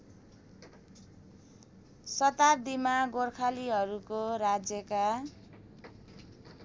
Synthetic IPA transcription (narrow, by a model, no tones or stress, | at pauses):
sʌt̪ard̪imaɡorkʰaliɦʌɾukoɾad͡zjʌka